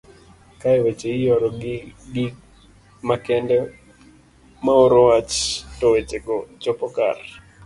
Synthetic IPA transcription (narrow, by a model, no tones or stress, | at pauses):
kaɛwet͡ʃeɪjɔɾɔɡi | makɛndɛ | maoɾowat͡ʃtɔwet͡ʃekɔt͡ʃɔpɔka̰r